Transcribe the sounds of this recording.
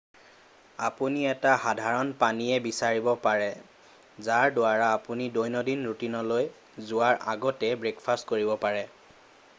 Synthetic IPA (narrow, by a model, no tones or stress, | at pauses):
apuniɛtahadʱaɹɔnpaniɛbisaɹibɔpaɹɛ | zaɹdʊaɹaːpunidojnɔdinɹutinɔloj | zʊaɹʔa̰ɡɔtɛbɹekfʰastkoɹibɔpaɹɛ